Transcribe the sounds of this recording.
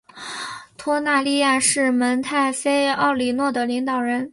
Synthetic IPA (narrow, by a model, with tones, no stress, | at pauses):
t̪ʰwɔ˥na˥˧li˥˧ja˥˧ʂɻ̩˥˩mə˧˥nt̪ʰa˥˩ɪfe˥ɪɑ˥˩ʊli˨˩nwɔ˥˩d̪ə˩li˧˥ŋt̪ɑ˨˩ʊɻə˧˥n